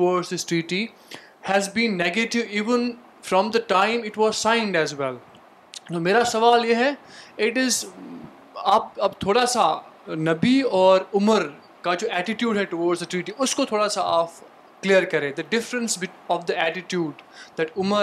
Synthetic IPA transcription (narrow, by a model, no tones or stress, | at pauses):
ʈɔːɖsdɪsʈɾiːʈi | hɛzbĩːnːeɡeʈɪʋiːʋə̃n | fɾɔ̃md̪əʈãɪ̃mɪʈʋɔzsãɪ̃nɖɛzwɛl | t̪oːmeːɾasɐʋaːljeɦɛɪʈɪz | aːp̚ɐbt̪ʰoːɽasanɐbiɔːɾʊməɾ | kad͡ʒoːæʈɪʈjuːɖɦɛʈoʋɔːɖsd̪əʈɾiːʈiʊskot̪ʰoːɽasaaːp̚ | kliəɾkɐɾẽːd̪əɖɪfɾə̃nsbɪɔːʋd̪iæʈɪʈjuːɖd̪æʈʊmə